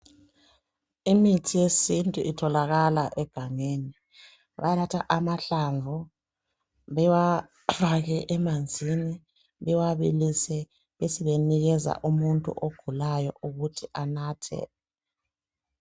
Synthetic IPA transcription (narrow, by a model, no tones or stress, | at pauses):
imitʰijesintʼuʔitʰɔlaɣalaʔɛɡ̥ʱaŋeni | βa̰jalatʰaʔamaɬaɱvʱu | βɛwa | faɣɛʔɛmand͡zʱini | βɛwaβilisɛ | βesiβeniɣɛza̰ʔumuntʼṵʔoɡ̥ʱulajɔ̰ʔuɣutʰiʔanaːtʰɛ̰